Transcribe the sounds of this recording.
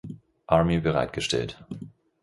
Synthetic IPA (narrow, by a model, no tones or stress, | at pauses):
ʔaɐmibəʁa̰ɪt̚ɡ̥əʃtɛ̰lt